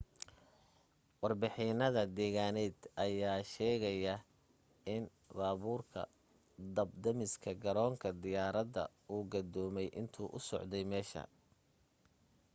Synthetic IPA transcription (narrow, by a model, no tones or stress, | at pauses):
wɑrbɪħɪnɐðɐd̪ɛːɣaːnɛːd̪ɐjaːʃɛːɣɐjɐ | ɪn | baːβuːrkʰɐ̰ | d̪ɐb̚d̪ɐmɪskʰɐɡɐɾɔːŋkʰɐd̪ɪjaːɾɐd̪ɐ̰ | uːɡɐd̪ɔːmɛjʔɪ̰nt̪ʰuːʔʊsɔ̰ʕd̪ɛjmɛːʃɐ̰